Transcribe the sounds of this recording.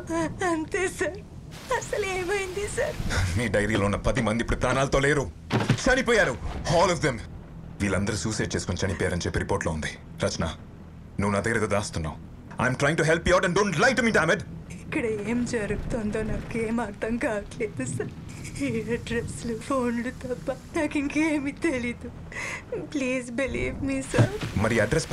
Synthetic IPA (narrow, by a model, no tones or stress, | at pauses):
ɐnt̪eːsɐɾ | ɐsɐleːmɐjind̪isɐɾmiːɖɐjɾiːloːunːɐpɐd̪imɐnd̪ipːuɽupɾaːnaːlɐt̪oːleːɾut͡ʃɐnipɔːjaːɾuɔːlɔfd̪em | ʋiːlɐnd̪ɐɾusuːseːʈ̚t͡ʃeːsu̥kont͡ʃɐnipɔːjaːɾɐnit͡ʃepːiɾipoːɾʈloːund̪i | ɾɐt͡ʃɐna̰ː | nuːunaːd̪ɐɡɐɾɐt̪oːd̪aːst̪unːa̰ːm | ajmʈɾaːjiŋʈuɦɛlpijaːʈɐ̃ɳɖõːɳʈlajkʈumiːɖaːmeɖikːɐɽɐeːmd͡ʒɐɾukut̪ond̪oːnaːkeːmaːɾt̪ɐŋkaːkleːd̪usɐɾ | eɐɖɾeslufʰoːnlut̪ɐpːɐnaːkiŋkeːmit̪elid̪u | pliːzbilḭːʋmiːsɐɾmɐɾiɐɖɾɛs